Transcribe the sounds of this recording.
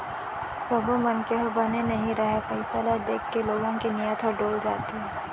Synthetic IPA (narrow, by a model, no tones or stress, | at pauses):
sɐbõmɐnkeɦobɐnenɐɦĩɾɐɦepɐɪsalad̪eːkʰːeloːɡõkinɪjət̪ʰɦɔɖoːld͡ʒa̰ːt̪iɦɛ̃ː